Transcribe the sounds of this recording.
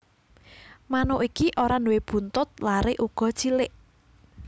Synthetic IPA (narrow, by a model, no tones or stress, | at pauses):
manoʔikiʔoɾanuweb̥ṳnt̪ʊt̪̚laɾeʔuɡ̥ɔ̤̥t͡ʃilɪʔ